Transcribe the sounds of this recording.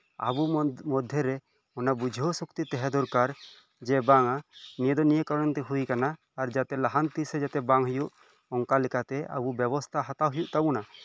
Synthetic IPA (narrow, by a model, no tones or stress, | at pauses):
a̰bumɔd̪ʱjeɾɛ | ɔnabud͡ʒʱɔsukt̪it̪ɛɦɛd̪ɔɾkaɾ | d͡ʒɛbaŋanijed̪ɔnijekɔɾɔnt̪ɛɦujkanaː | ɾd͡ʒat̪ɛlaɦant̪isɛd͡ʒat̪ɛbaŋɦɔjuʔ | ɔŋkalɛkat̪ɛa̰bubjɛbɔst̪ʰaɦat̪aɦujuʔt̪auna